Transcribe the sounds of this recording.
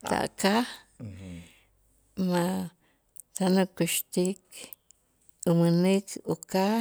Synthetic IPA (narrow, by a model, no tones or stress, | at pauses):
t̪a̰ʔka | mã | t̪anũkiʃt̪ik | umɨ̃nĩkuka